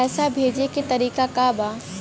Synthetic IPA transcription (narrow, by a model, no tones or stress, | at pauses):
ɛːsabʱeːd͡ʒeket̪ɐɾiːkakaba